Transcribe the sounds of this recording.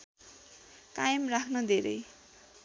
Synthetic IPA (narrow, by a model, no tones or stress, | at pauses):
kajʌmrakʰnʌd̪ʱeɾʌj